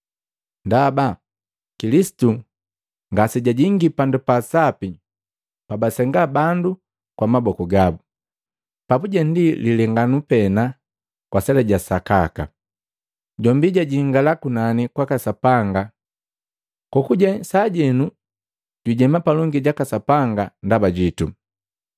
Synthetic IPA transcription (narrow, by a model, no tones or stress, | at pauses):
ndaba | kilisi̥tu | ŋɡasiɟaɟiŋɡipandupasapi | pabasɛŋɡabandu | kwamabɔkɔɡabu | papuɟɛndililɛŋɡanupɛna | kwasɛlɛɟasakaka̰ | ɟɔmbiɟaɟiŋɡalakunanikwakasapaŋɡa | kɔkuɟasaɟɛnu | ɟ̥iɟɛmapalɔŋɡiɟakasapaŋɡandabaɟitu